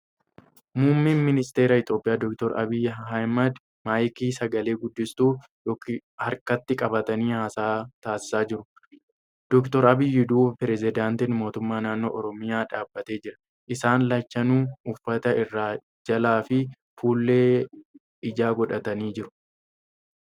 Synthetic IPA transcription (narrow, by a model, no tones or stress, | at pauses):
mʊmːinmɪnɪst̪e̞ːɾɐɪt̪jo̞ːpʼːɪjaːd̪ɔk̚t̪ɔɾʔɐ̰bɪjɦɐjmɐd̪ | maːjkiːsɐɡɐle̞ːɡʊd̪ːɪst̪uː | jɔkɪhɐɾkɐt̪ːɪkʼɐbɐt̪ɐniːhaːsaːt̪aːsɪ̥saːd͡ʒɪɾʊ | d̪̥ɔkt̪ɔɾɐbɪjːɪd̪uːbpɪɾɛzɪd̪aːnt̪ɪnmo̞ːt̪ʊmːaːnaːnːo̰ːʔɔɾɔmɪjaːᶑaːbːɐt̪e̞ːd͡ʒɪɾɐ̥ | ʔɪsaːnlɐt͡ʃːɐnuːʊfːɐt̪ɐɪrːaː | d͡ʒɐlaːfɪ | fuːlːeː | ɪd͡ʒaːɡɔᶑɐt̪ɐniːd͡ʒɪɾʊ̥